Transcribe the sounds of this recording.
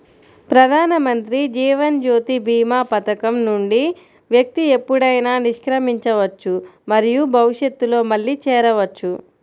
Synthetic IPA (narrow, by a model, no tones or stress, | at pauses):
pɾɐd̪ʱaːnɐmɐnt̪ɾid͡ʒiːʋɐnd͡ʒoːt̪ibʱiːmaːpɐt̪ɐkɐmnuɳɖi | ʋjɐk̚t̪ie̞pːuɽɐjnaːniʂkɾɐmiɲt͡ʃɐʋɐt͡ʃːumɐɾijubʱɐʋiʂjɐt̪ːulo̞ːmɐɭːit͡ʃɛːɾɐʋɐt͡ʃːu